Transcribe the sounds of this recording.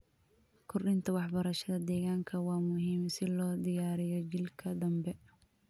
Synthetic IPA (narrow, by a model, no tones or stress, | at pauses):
kʰʊrɗɪnt̪ʰɐwɑħbɐɾɐʃɐðɐd̪ɛːɣaːŋkʰɐwɑːmʊɦiːmsɪlɔːd̪ɪjaːɾɪjɔd͡ʒɪlkʰɐd̪ɐmbɛ